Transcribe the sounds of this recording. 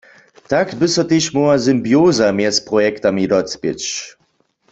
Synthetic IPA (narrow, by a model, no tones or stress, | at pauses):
takbɪsɔt̪eʃmɔazɨmbjoːzamjɛspʁɔjɛktamidɔtt͡spɪ̰t͡ʃ